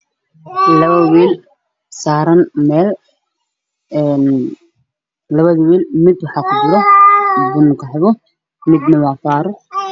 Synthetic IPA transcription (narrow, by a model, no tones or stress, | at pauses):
lɐβɐwiːl | saːɾɐnmɛːl | ɛn | lɐβɐðɐwiːlmɪd̪wɑħɑːkʰʊbʊðɐmɪbʊnʊkʰɐħɪβɔ | mɪd̪nɐwaːfaːɾʊ